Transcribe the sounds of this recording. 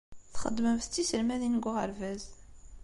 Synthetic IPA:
θχə̰d̪ːməmθt͡sːisəlmæðinɡʷʁəɾvæz

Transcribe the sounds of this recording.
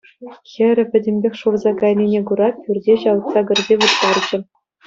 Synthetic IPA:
xʲɘ̆ɾʲɘ̆pʲɘ̆dʲemʲbʲexʲʂurzɑkɑjnʲinʲeɡuɾɑpʲyrʲdʲeɕɑlɤt̪sɑɡʲɘ̆rʲdʲeʋut̪ːɑrd͡ʑɘ̆

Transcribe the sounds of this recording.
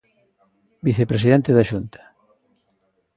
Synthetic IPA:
biθepɾes̬iðɛnt̪eðaʃunt̪ɐ̥

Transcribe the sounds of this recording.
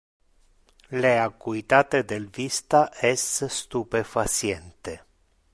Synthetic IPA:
leakuit̪at̪ed̪elvist̪aʔest̪st̪upe̞fat͡ʃient̪e

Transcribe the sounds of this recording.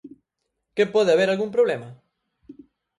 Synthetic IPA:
kepɔðeaβeɾalɣuŋpɾoβlemɐ

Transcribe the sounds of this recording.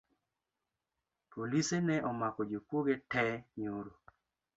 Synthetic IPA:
polisenɛʔɔmakɔd͡ʒopwoɡetɛɲoɾo

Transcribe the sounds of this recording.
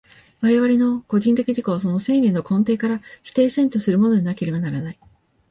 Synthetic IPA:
βaɾeβaɾʲino̞ko̞ʑĩnt̪̬e̞kʲiʑiko̞asono̞se̞ːmʲeːnokõ̞nt̪̬e̞ːkaɾaçi̥t̪e̞ːsẽ̞nt̪osɨɾɯ̟mo̞no̞ɲ̟inake̞ɾe̞banaɾanai

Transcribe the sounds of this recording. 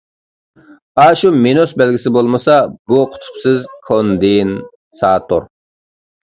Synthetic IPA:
ɑːʃumenosbɛlɡʲisɪbolˠmɨsɑbuqʰʊ̥t̪ʰʊ̥psɪzkʰond̪ɪn | sɑːt̪ʰoɾ

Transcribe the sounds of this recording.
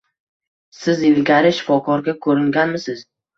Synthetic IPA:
sɪzɪlɡʲaɾɪʃɪ̥fɒkʰɒɾɡʲakʰɵɾɪŋɡʲanmɪsɪz̥

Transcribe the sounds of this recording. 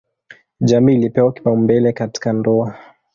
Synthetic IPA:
ʄamiːlipɛwaki̥paumbɛlɛkati̥kandɔa

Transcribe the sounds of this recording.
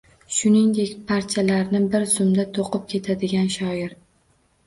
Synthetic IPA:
ʃʊnɪŋd̪e̞kʲpʰaɾt̪ʰijalaɾnɪbɪɾzʊmd̪at̪ʰoqɨp̚kʲʰe̞t̪ʰad̪ɪɡʲanʃɒɪɾ

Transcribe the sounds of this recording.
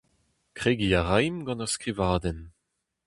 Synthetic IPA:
kʁ̥eːɡiaʁajmɡɑ̃naʁskʁivaːdɛn

